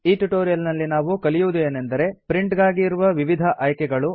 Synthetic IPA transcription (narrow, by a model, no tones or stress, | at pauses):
iːʈuʈoːɾijɐlnɐlːinaːʋukɐlijuʋd̪ueːnend̪ɐɾe̞pɾiɳʈɡaːɡiːɾuʋɐʋiʋid̪ʱɐʔɐjkɛɡɐɭu